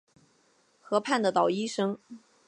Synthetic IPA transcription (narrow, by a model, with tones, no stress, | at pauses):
xɤ˧˥pʰa˥˩nd̪ə˩t̪ɑ˨˩ʊi˥ʂɤ˥ŋ